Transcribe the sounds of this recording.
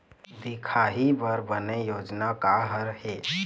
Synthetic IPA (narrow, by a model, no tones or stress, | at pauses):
d̪ikʰaɦibəɾbənejoːd͡ʒnakaɦəɾɦe